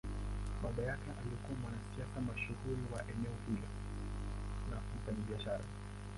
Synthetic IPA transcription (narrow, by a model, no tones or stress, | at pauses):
ɓaɓajakɛʔaliɔkuamwanastiakamaʃuhuɾiwaʔɛnɛɔhilɔ̰ | lam̩faɲaɓiaʃaɾa̰